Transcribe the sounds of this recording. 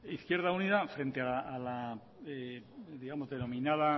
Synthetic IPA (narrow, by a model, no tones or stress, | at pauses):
iθkje̞ɾð̞auniðafɾe̞nt̪ealːla | ed̪iɣamo̞zðe̞nõ̞mĩnaða